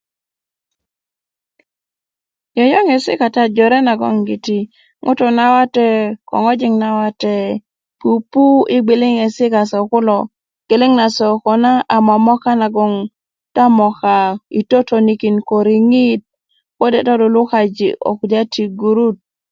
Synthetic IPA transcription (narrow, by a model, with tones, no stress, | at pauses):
jɔ˨jɔ˦ŋe˨sɪ̰˦ka˨ta˦d͡ʒɔ˨ɾɛ˦na˨ɡɔ̰˦ŋɡi˨ti˨ | ŋʔʊ̰˦tɔ˨na˦wa˦tɛ˦kɔ̰˨ŋɔ˦d͡ʒɪ˦ŋna˨wa˦tɛ˨ | pu˨pu˦ɪ˦ɡ͡be˨le˦ŋɛ˨sɪ˦ka˨sɔ˨kʊ˦lɔ˨ | ke˨le˦ŋna˨sɔ˨kɔ˨na˦ʔa˨ma˨mɔ˦ka˦na˨ɡɔ˨ŋ | ta˦mɔ˨ka˨i˨to˦tʰo˨ni˨ki˨nko˨ɾi˨ŋi˦t̚ | kɔ˦dɛ˨tɔ˦dɔ˨lʊ˦ka˨d͡ʒḭ˨ʔo̰˨kda˦tʰi˨ɡu˨ɾu˦t̚